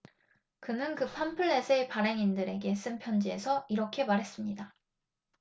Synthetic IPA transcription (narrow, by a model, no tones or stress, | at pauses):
kɯnɯnkɯpʰampʰɯɭːe̞sʰepaɾe̞ŋindɯɾe̞ɡe̞s͈ɯmpʰjʌnd͡ʑie̞sʰʌiɾʌkʰe̞maɾɦe̞s͈ɯmɲida